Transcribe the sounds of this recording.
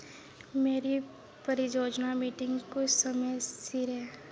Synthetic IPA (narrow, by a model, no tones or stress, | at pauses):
meːɾi | pɐɾid͡ʒoːd͡ʒnamiːʈɪ̃ŋɡkʊsɐməjsiɾɦɛː